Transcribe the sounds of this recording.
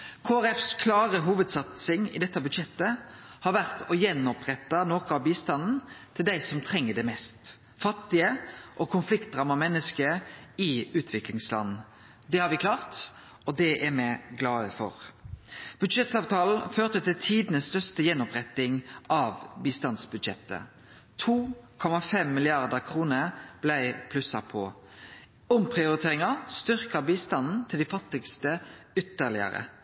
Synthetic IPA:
kʰoːæɾɛfskʰlɑːɾəɦuːʋəd̪sɑt̪sɪŋɪ̰d̪ɛt̪ːɑbʉd̪ʂɛt̪ːəhɑɾʋæʁt̪ɔjɛnɔpʁɛt̪ːɑnoːkɔɑʋbiːst̪ɑnn̩t̪ʰɪld̪æɪsɔmt̪ʰɾɛŋːəd̪ɛmɛst̪ | fɑt̪ːɪəʔɔkʰʊnflɪkt̪̚d̪ʁɑːmɑmɛnːəskəɪʉːt̪ʰʋɪklɪŋslɑ̰nn̩ | d̪ɛhɑɾʋɪkʰlɑːʁt̪ | ɔd̪ɛʔɛɾmɛɡlɑːəfɔ̰ʁ | b̥ʉd̪ʃɛt̪ːɑːʋt̪ʰɑːln̩føːʁt̪ət̪ʰɪlt̪ʰiːd̪nəsst̪œʁst̪əjɛnːɔpʁɛt̪ːɪŋʔɑʋbiːst̪ɑnsbʉd̪ʃɛt̪ːə̰ | t̪ʰuːkʰɔmɑfɛmːɪlɪɑʁd̪əʁkʰʁuːnəɾb̥læɪpʰlʉsɑpʰɔ | ɔmpʰʁɪʊɾɪt̪ʰeːɾɪŋɑst̪ʏʁkɑbiːst̪ɑnn̩t̪ʰɪld̪ɪfɑt̪ːɪɡst̪əʏt̪ːəʁlɪə̰ɾə̰

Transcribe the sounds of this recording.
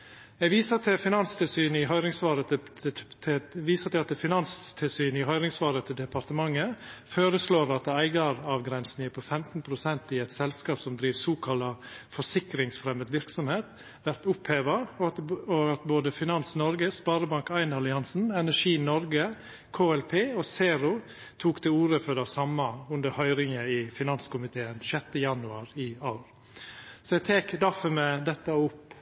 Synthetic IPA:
ɛʋiːsət̪ʰɪfɪnɑnst̪ʰɪlsyːnɪɦœʏɾɪŋsʋɑːɾə | ʋiːsət̪ʰɪɑt̪fɪnɑnst̪ʰɪlsyːnɪɦœʏɾɪŋsʋɑːɾət̪ʰɪd̪ɛpʰɑɾt̪əmɑŋːəføːɾəsloːɾɑt̪æɪɡɑɾɑʋɡɾɛnsn̩æːpʰɔfɛmt̪n̩pʰɾʊsɛnt̪ɪɛɪt̪sɛlskɑːpsɔmd̪ɾiːʋsoːkʰɑlɑfɔʂɪkɾɪŋsfɾɛməd̪ʋɪɾksɔmheːt̪ | ʋæɾt̪ʊpheːʋɑ | ɔɑt̪boːd̪əfɪnɑnsnɔɾɡəspɑːɾəbɑŋkæɪnɑlɪɑnsn̩ɛnæʂiːnɔɾɡə | kʰoːɛlpʰeːɔseːɾʊ | t̪ʰuːkt̪ʰɪuːɾəfɔɖæsɑmːɑʉnd̪əɾhœʏɾɪŋəɪfɪnɑnskʊmɪt̪ʰeːənʃɛt̪ːəjɑnʉɑːɾɪɑːɾ | sɔɛɡt̪ʰeːkd̪æfɔmɛd̪ɛt̪ːɑʊpː

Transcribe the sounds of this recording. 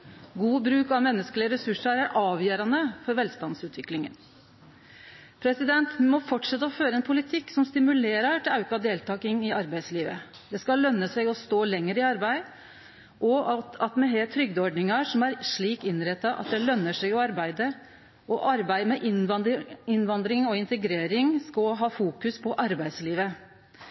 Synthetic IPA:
ɡuːbɾʉːkɑʋmɛnːəskəlɪəɾɛsʉʂəɾæɾʔɑːʋjøːɾɑnəfɔɾʋɛlst̪ɑnsʉːt̪ʰʋɪklɪŋə̰n | pʰɾɛsɪd̪ɛnt̪mɔfɔʈʂɛt̪ːəɔføːɾəɛnpʰʊlɪt̪ʰɪkːsɔmst̪ɪmʉleːɾəʈʰɪlɑʉkɑd̪eːlt̪ʰɑːkɪŋɪɑɾbæɪd̪sliːʋə | d̪̥ɛskɑlːœnːəsɛɡɔst̪oːlɛŋːəɾɪɑɾbæɪ | ʔɔɑt̪ɑt̪mɛɦet̪ʰɾʏɡ̚d̪əɔɖnɪŋɑʂɔmæɾʂɭiːkɪnɾɛt̪ːɑʔɑ̰t̪̚d̪ɛlœnːəʂɛɡɔɑɾbæɪd̪ə | ʔɔʔɑɾbæɪmɛʔɪnɪnʋɑnd̪ɾɪŋɔɪnt̪əɡɾeːɾɪŋskɑlɦɑːfuːkʉspʰɔʔɑɾbæɪd̪sliːʋə

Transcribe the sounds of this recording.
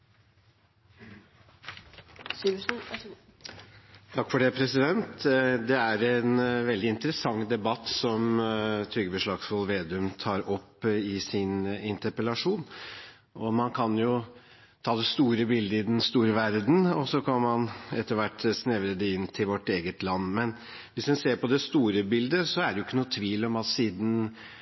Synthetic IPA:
t̪ʰɑkːfɔɖɛpʰɾɛsɪd̪ɛnt̪d̪ɛæɾɛnʋɛld̪ɪɪnt̪əɾəsɑŋːd̪ɛbɑt̪ːsɔmt̪ʰɾʏɡəbəʂɭɑːɡsfɔlʋeːd̪ʉmt̪ʰɑːɾɔpːɪsɪnɪnt̪əɾpəlɑʂuːn | ɔmɑnkʰɑnjʊ | t̪ʰɑːd̪ɛst̪uːɾəbɪld̪əɪd̪ɛnst̪uːɾəʋæɾd̪n̩ɔsɔkʰɑnmɑnɛt̪ːəɾʋæʈːsnɛʋɾəd̪ɛɪnːt̪ʰɪlʋɔʈːeːɡət̪lɑnːmɛn | ʋɪsd̪ɛnseːɾpɔd̪ɛst̪uːɾəbɪld̪əsɔæɖɛjʊɪkːənuːt̪ʰʋiːlɔmɑt̪siːd̪n̩

